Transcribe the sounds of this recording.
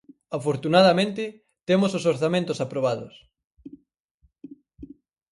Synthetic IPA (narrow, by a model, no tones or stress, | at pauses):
afoɾt̪unaðɐmẽnt̪ɪ | t̪emososoɾθamẽnt̪osapɾoβ̞aðʊ̰s